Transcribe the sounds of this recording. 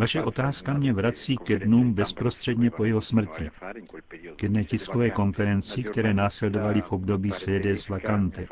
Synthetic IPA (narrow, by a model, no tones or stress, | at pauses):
vaʃɛʔo̞t̪aːskamɲɛvɾat͡siːkɛdnuːmbɛspɾo̞st̪r̝̥ɛdɲɛpo̞jɛɦo̞smr̩cɪ | kjɛdnɛːcɪskovɛːko̞nfɛɾɛnt͡sɪkt̪ɛɾɛːnaːslɛdo̞valɪfo̞bdo̞biːsɛdɛzvakant̪ɛ